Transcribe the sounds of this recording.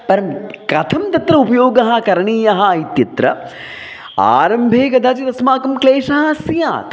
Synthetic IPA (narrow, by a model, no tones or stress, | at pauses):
pɐɾɐmkɐt̪ʰɐmd̪ɐt̪ɾɐupɐjoːɡɐɦɐkɐɾɐɳiːjɐɦɐit̪jɐt̪ɾɐ̰ | a̰ːɾɐmbʱeːɡɐd̪ʱaːd͡ʒit̪ɐsmaːkɐmkleːʂɐɦɐsija̰ːt̪